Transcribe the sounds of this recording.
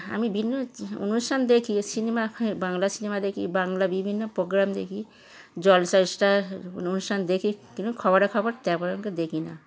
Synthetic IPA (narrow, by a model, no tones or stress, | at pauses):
a̰mibʱinːoo̰nusʈʰand̪ekʰisinemabaŋlasinemad̪ekʰḭbaŋlabibʱinːopɾoɡɾamd̪ḛkʰi | d͡ʒɔlsaɾsʈaonusʈʰand̪ekʰikinukʰɔbaʈakʰɔbaɾt̪ɛpɔʃɔŋked̪ekʰina